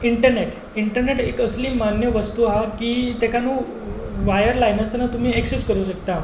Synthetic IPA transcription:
iɳʈəɾneʈ | iɳʈəɾneʈekəsliːmanjəʋəst̪uːɦakiːt̪ekanũ | ʋajəɾlajnəst̪enat̪um̤iːeksuskəɾuːɕəkt̪a

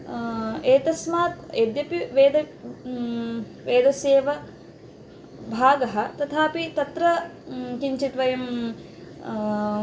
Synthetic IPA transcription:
eːt̪ɐsmaːt̪eːd̪jɐpiʋeːd̪ɐ | ʋeːd̪ʱɐseːʋɐ | bʱaːɡɐɦɐ̆t̪ɐt̪ʰaːpit̪ɐt̪ɾɐkiɲt͡ʃiʈʋɐjɐm

